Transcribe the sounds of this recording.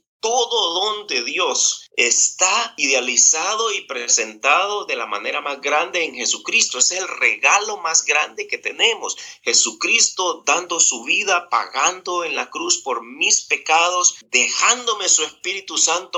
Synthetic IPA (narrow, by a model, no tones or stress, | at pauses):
t̪o̞ðo̞ðo̞nd̪e̞ðjo̞sest̪aiðealisaðo̞ipɾese̞nt̪aðo̞ðe̞lama̰ne̞ɾamazɣɾand̪e̞ːŋxe̞sukɾist̪o̞eselreɣalo̞mazɡɾand̪e̞ke̞t̪e̞ne̞mosxe̞sukɾist̪o̞d̪and̪o̞suβiðapa̰ɣand̪o̞e̞nlakɾuspo̞ɾmispe̞kaðo̞sd̪e̞xand̪o̞me̞sue̞spiɾit̪usant̪o